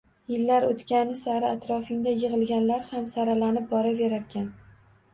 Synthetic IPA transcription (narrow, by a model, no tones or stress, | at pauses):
jɪlːaɾot̪kʲanɪsaɾɪat̪ɾɒfɪŋd̪ajɨʁɨlˠɡʲanlaɾhamsaɾalanɪp̚bɒɾaveɾaɾkʲʰan